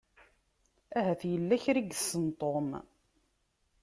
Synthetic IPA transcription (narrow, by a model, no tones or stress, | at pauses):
æɦæθjəlːæçɾiɡəsːənt̪ˤom